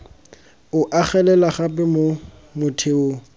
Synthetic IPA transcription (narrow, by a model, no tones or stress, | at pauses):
ʊʔaχɛlɛlaχapʼɛmo | mʊtʰeʊ